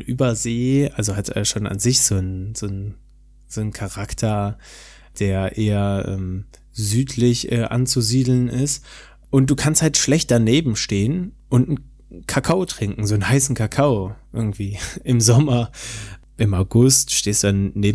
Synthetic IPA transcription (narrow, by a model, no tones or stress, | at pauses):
nʔy̰ːbɐzeːʔalzohatɛ̰ːʃoːna̰nzɪçz̥oːnzoːn | z̥oːnkʰaʁaktʰɐ | d̥eːɐɐʔeːɐʔɛ̰ːm | zyːtʰlɪçʔɛːʔa̰nt͡suziːdl̩nʔɪst | ʔʊntd̥uːkʰansthaltʃlɛçt̚d̥aneːbm̩ʃteːənʔʊntn̩ | kʰakʰaʊtʁ̥ɪŋkŋ̩zoːnhaɪsn̩kʰakʰaʊʔɪɐɡŋ̩tv̥iːʔɪmzɔmɐ | ʔɪmaʊɡʊstʃteːsd̥udanneːb